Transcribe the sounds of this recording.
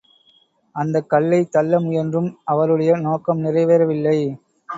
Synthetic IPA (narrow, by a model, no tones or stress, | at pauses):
ɐnd̪ɐkːɐɭːɐɪt̪ːɐlːɐmʊjɐndrɯmɐʋɐɾɯɽɐjɐnoːkɐmnɪrɐɪʋɐɾɐʋɪlːɐɪ